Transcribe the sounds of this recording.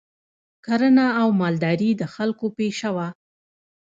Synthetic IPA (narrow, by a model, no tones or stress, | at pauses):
kaɾənaːwmɑld̪ɑɾid̪əxalkopeʃawa